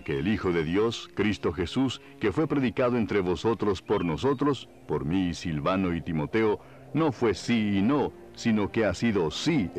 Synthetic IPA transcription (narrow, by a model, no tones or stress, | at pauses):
keːlixo̞ðe̞ðjo̞skɾist̪o̞xe̞sus | ke̞fwe̞pɾeðikaðoe̞nt̪ɾe̞βo̞so̞t̪ɾo̞spo̞ɾno̞so̞t̪ɾos | po̞ɾmisilβano̞it̪imo̞t̪eo | no̞fwe̞siːno̞ | sino̞keasiðo̞si